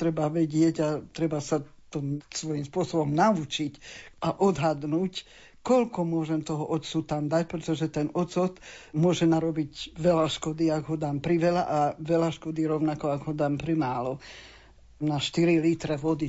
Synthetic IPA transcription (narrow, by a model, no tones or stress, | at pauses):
t̪ɾɛbaʋɛɟɪɛɟat̪ɾɛbasat̪ɔsʋɔjimspʊɔsɔbɔmnaut͡ʃicaʔɔd̪ɦad̪nuːc | kɔlkɔmʊɔʒɛmt̪ɔɦɔʔɔt͡sut̪amd̪ac̚pɾɛt̪ɔʒɛt̪ɛnɔt͡sɔt̪mʊɔʒɛnaɾɔbiɟʋɛlaʃkɔd̪iaɡɦɔd̪aːmpɾiʋɛlaʔaʋɛlaʃkɔd̪iɾɔʊnakɔaɡɦɔd̪aːmpɾimaːlɔ | naʃt̪iɾilit̪ɾɛʋɔd̪i